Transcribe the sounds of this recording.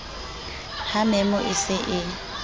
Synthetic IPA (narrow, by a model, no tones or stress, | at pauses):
hamɛmʊʔɪsɪʔɪ